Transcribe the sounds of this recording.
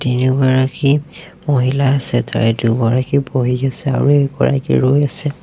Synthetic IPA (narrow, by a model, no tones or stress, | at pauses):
tinuɡaɹaki | moɦilaːsɛta̰ɹɛdubɔɹakiboɦiɡasɛa̰ɹueɡɔ̰ɹa̰kḭɹojasɛ